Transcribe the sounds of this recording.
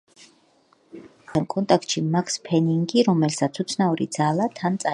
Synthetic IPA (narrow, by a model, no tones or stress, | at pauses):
amkʼɔnt̪ʼakʰt̪ʼʃimakʰspʰɛniŋɡiɾɔmɛlsat̪sʰut̪sʰnauɾid̪zalat̪ʰant̪sʼa